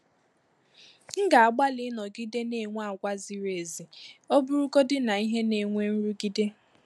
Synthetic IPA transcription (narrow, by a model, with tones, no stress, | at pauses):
ŋ̩˦ɡa˨a˨ɡ͡ba˦lɪ˦nɔ˨ɡi˦de˦ne˨ŋʷ˦a˦˨ɡʷa˦zi˨ɾe˨zi˨o˦bʊ˦ɾu˦ko˦dɪ˦na˨i˦ɦe˦ne˨ŋʷe˦n̩˦ɾu˦ɡi˦de˦